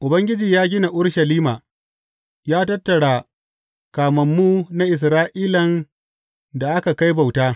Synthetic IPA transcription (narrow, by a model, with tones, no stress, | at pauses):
ʔʊ˨bɐ˦ŋɡʲɪ˦d͡ʒiː˨jaː˦ɡʲɪ˦na˨ʔʊ˦ɽʃɐ˨liː˦maː˨ | jaː˦tɐ˦tːɐ˨ɽaː˨ | kaː˨mɐ˨mːuː˦na˦ʔɪ˨s̬ɾaː˦ʔiː˦lɐ˨n | da˨ʔa˦ka˨ka˦jba˨wtaː˦